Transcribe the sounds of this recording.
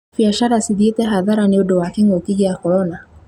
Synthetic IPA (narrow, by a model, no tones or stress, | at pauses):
biaʃaɾasiðiɛtɛɦaðaɾaniɔɗɔwakiŋiukiɡiakɔɾɔna